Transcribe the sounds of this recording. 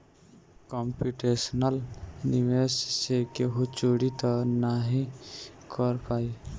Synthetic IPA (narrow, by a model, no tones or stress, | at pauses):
kɔmpuʈesnəlniʋessekeɦut͡ʃoɽit̪ɔnaɦĩkʰɔɾpaːi